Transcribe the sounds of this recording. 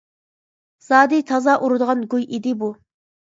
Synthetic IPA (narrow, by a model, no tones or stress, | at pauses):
z̥ɑːd̪it̪ʰɑzɑʔuɾɨd̪əʁɑnɡujʔid̪ɪbu